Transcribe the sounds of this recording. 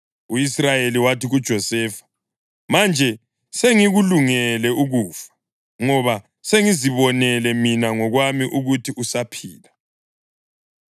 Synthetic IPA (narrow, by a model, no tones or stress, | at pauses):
uisrajeliwatiɣud̥ʒ̥ʱɔsɛːfḁ | mand͡ʒʱɛ | seŋiɣuluŋɛlɛuɣuːfḁ | ŋɔβa | seŋiziβɔnɛlɛminaŋɔɣwamiʔuɣutʰiʔusapʰiːla